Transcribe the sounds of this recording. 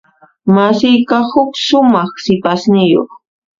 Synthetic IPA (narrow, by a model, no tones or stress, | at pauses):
masɪjkahʊkʃʊmɑχsɪpasnɪjo̰χ